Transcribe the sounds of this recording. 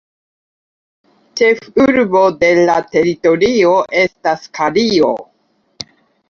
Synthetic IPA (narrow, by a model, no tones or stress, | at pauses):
t͡ʃe̞fuɾbo̞de̞late̞ɾito̞ɾio̞ʔe̞staskʰaɾio̞̰